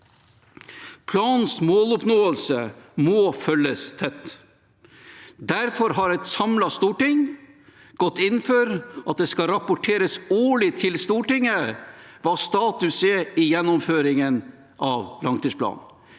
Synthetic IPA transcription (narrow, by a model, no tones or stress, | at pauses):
pʰlɑːnsmoːlʊpnoːəlsəmoːfœləst̪ʰɛt̪ː | d̪æɾfɔɾɦɑɾɛt̪sɑmlɑst̪uːʈɪŋ | ɡ̥ɔt̪ːɪnføːɾʔɑt̪̚d̪ɛskɑɾɑpʊʈʰeːɾəsuːɭɪt̪ʰɪlst̪uːʈɪŋːəʋɑːst̪ɑːt̪ʉsɛɪjɛnːʊmføːɾɪŋən | ʔɑːʋlɑŋt̪ʰiːspʰlɑ̰ːn